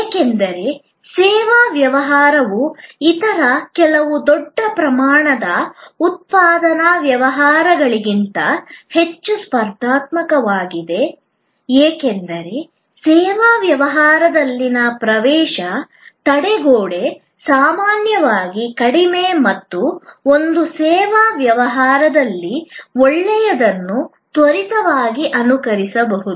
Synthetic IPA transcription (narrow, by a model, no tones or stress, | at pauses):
eːkend̪ɐɾe̞ | sɛːʋaːʋjɐʋɐɦaːɾɐʋuit̪ɐɾɐkɛlɐʋud̪ɔɖːɐpɾɐmaːɳɐd̪ɐut̪̚paːd̪ɐnɐʋjɐʋɐɦaːɾɐɡɐɭiɡint̪ɐhet͡ʃːuspɐɾd̪aːt̪mɐkɐʋaːɡid̪e̞ | eːkɛnd̪ɐɾe̞ | sɛːʋaːʋjɐʋɐɦaːɾɐd̪ɐlːinɐpɾɐʋɛːʃɐ | t̪ɐɽɛɡoːɽe̞ | saːmaːnjɐʋaːɡikɐɽimemɐt̪ːuo̞nd̪usɛːʋaʋjɐʋɐɦaːɾɐd̪ɐlːiɔɭːɛjɐd̪ɐnːu | t̪ʋɐɾisɐʋaːɡiʔɐnukɐɾisɐbɐɦud̪u